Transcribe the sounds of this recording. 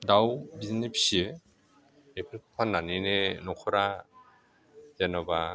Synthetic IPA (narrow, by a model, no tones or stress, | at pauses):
dawbiznepʰi̥sie | epʰelkʰpʰanːanenenɔkʰɔɾa | zenɔba